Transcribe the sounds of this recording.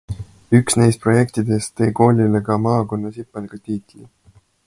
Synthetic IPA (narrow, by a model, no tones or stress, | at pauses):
yksnejst̪̚pro̞je̞k̚t̪id̪̥e̞st̪ːe̞ːko̞ːlʲilekɑmɑːko̞nːɑsipːɑneɡ̥ɑt̪iːt̪ˑli